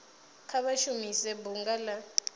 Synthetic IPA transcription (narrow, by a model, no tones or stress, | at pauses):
kʰaβaʃumisɛbuŋɡala